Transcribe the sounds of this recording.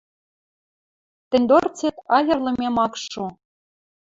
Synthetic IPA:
t̪ɘ̆nʲd̪ort͡sĕt̪ɑjɤ̆rlˠɤ̆mʲemɑkʃo

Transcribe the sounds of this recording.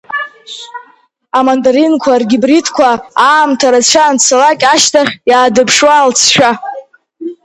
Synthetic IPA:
amandaɾinkʷʰarɡʲɪbritʰkʷʰaaːmtʰaɾat͡ɕʷʰaːnt͡sʰalakʲʼaʃtʰaχʲjaːdɨpʰʂwaːlt͡sʰʃʷᶣa

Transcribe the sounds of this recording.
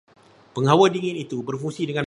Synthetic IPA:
pəŋɦawədiŋɪnit̪ubərfuŋsidəŋã

